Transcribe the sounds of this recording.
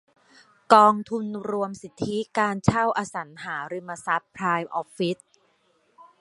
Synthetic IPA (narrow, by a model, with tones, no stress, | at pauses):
kɔː˧ŋt̪ʰu˧nɾu˧əmsi˨˩t̪ʰːi˦˥kaː˧nt͡ɕʰa˥˩wʔaː˧sa˩˦nɦaː˩˦ɾi˧mːa˧sa˦˥pʰɾaː˧jmʔɔ˦˥p̚fi˦˥t̪̚